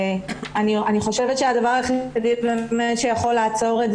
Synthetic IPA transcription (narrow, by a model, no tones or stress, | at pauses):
anianiχo̞ʃevetʃeadavaʁaχiadivbemetʃejaχo̞laːt͡so̞ʁez